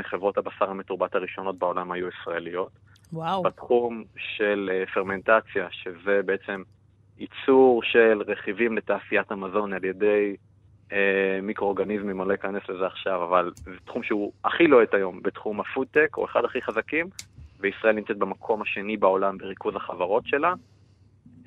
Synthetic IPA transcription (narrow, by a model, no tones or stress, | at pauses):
eχevʁo̞thabasaʁhame̞tuʁbataʁiʃo̞no̞t̚bao̞lamhajuisʁae̞lijo̞t | wabat̪χumʃe̞lefeʁme̞ntat͡sjaʃe̞ze̞beet͡se̞m | it͡suʁʃe̞lʁe̞χivimle̞taːsijathamazo̞nalje̞de̞j | emikʁooɡanizmimalojikanesle̞zeaχʃavavalzet̪χumʃeuaχilo̞etajo̞mbetχumafuteko̞̰eχadaχiχazakimveisʁaʔelnimt͡set̪̚bemakʰo̞maʃe̞nibao̞lambe̞ʁikuzaχavaʁo̞tʃe̞la